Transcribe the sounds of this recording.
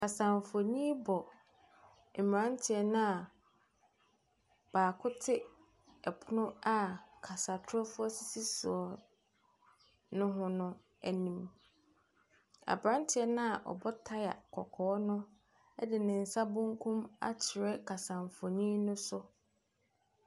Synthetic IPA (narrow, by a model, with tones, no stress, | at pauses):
kʰa˨sã˨ɱfo˨nĩ˦bɔ˨ | m̩˨m˨ɾã˦ntʰɪ˨ɛ˦nʊ̃˦a˨ | b̥aː˨kʰʊ˦tʰɪ˦ | ɛ˨pʰʊ˦nʊ̃˦a˦kʰa˨sa˨tʰɾɔ˦fʊ˦ɔ˦si˦si˦sṵ˨ɔ˨ | nʊ̃˦ɦʊ̃˦nʊ̃˦ | æ˨nĩ˨m | a̰˨bɾã˦ntʰɪ˨˦ɛ˦nã˦a˨ʔɔ̰˨bɔ˦tʰa˦ja̰˨kʰɔ̰˨kʰɔː˨˦nʊ̃˦ | ɛ˦dɪ˨nɪ̃˨n̩˨sa˦bʊ̃˦ŋkʰũ˦ma̰˦t͡ɕʰɪ˨ɾɛ˦kʰa˨sã˨ɱ˨fo˨nĩ˦nʊ̃˦sʊ˦